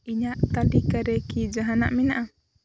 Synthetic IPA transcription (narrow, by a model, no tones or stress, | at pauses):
iɲaʔt̪adikaɾɛkid͡ʒaɦana̰ʔminaʔa